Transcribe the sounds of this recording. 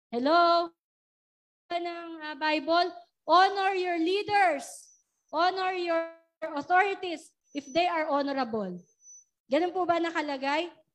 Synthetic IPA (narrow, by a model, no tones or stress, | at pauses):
hɛlo | ɐnɐŋɐbajbol | ʔonɔɹjɔɹliːd̪ɛɹs | ʔonɔɹjɔ | ɹʔɔt̪oɹɪt̪is | ʔɪfd̪ejʔɐɹʔɔnɔɾɐbol | ɡɐnonpubɐnɐkɐlɐɡaj